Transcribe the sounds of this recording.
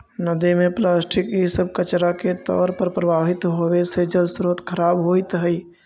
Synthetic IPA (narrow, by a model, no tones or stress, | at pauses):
nəd̪imẽplaːsʈʰɪkɦisəb̚kət͡ʃɾaket̪ɔ̰ːɾpəɾpɾəbaːɦɪt̪ɦowesed͡ʒəlsɾoːt̪kʰəɾaːbɦoːit̪ɦəi